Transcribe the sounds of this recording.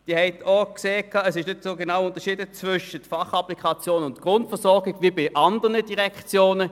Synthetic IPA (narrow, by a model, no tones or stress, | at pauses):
d̥iːhɛɪtʰokseːkʰːɑːɛsɪʃnʏtsoːɡenaʊʊntɐʃiːdət͡svʏʃətfɑχɑplikʰɑt͡sjoːnʊntɡ̥ʁʊntfəɐsɔɐɡɪɡ̥ʋibɪʔɑndənəd̥iʁɛkt͡sjoːnə